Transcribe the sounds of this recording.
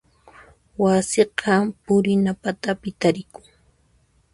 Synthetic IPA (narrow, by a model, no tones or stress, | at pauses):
wasɪqʰɑpʊɾɪnapat̪apɪt̪aɾɪkʊŋ